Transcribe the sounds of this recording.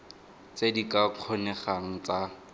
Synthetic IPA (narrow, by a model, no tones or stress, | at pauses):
t͡sedikaq͡χʰɔnɛχaŋ̩t͡sa